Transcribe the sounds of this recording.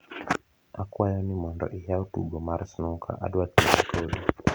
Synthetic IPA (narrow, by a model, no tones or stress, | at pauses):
akwajɔnimɔndɔ̰ʔijautṵɡɔmaɾsnɔkʰa̰ʔa̰dwatmaatʰoɗi